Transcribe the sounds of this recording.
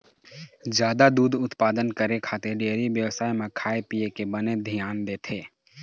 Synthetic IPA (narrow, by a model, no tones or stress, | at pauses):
d͡ʒjaːd̪ad̪uːd̪ʊt̪paːd̪ənkəɾekʰaːt̪eɖeːɾiʋjəwsaːimẽkʰaːepijekebəned̪ʱijaːnd̪eːt̪ʰeː